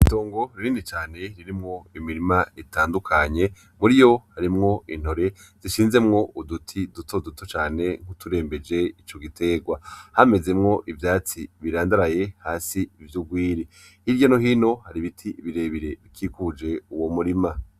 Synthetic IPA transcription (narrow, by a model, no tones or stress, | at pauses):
ito̞ːŋɡo̞ɾiɾiːnit͡ʃaːne̞ɾiɾimŋo̞imiɾimaetaːndukʰaɲe̞ | muɾijo̞haɾimŋo̞in̥ho̞ɾe̞ | z̥iʃiːnze̞mŋo̞ʔudutʰidutʰo̞dutʰo̞t͡ʃaːne̞ŋ̥utuɾe̞ːmbe̞d͡ʒe̞it͡ʃo̞ɡitʰe̞ɡwahame̞ze̞mŋo̞ʔivjaːt͡siβiɾaːndaɾaje̞haːsiːvjuɡwiːɾi | hiɾɟanoɦiːno̞haɾiβitʰiβiɾe̞ːβiɾe̞βikʰiːkud͡ʒe̞uwomuɾima